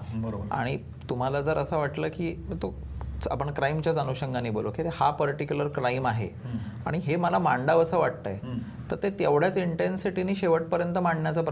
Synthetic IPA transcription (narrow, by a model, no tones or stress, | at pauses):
bəɾobəɾa̰ɽ̃i | t̪um̤alad͡zəɾəsəʋaʈləːkiːt̪o | a̰pəɳkɾaimt͡ɕjad͡zanuɕəŋɡʱaniːboloket̪ehapəɾʈikjuləɾkɾaimaɦḛaɽ̃iɦeməlamaɳɖaʋəsəʋaʈ̚t̪a̰j | t̪əɾt̪et̪eʋɽ̤jat͡siɳʈensiʈiniːɕeʋəʈ̚pəɾjənt̪əmaɳɳjat͡sapɾ